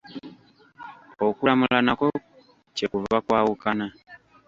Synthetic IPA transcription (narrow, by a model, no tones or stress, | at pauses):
okuɾamulanakɔ | t͡ʃekuvakwawukana